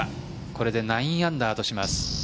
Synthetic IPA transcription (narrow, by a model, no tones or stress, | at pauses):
ko̞ɾe̞d̪e̞naĩɰ̃ãnd̪aːt̪o̞ɕimasɨ̥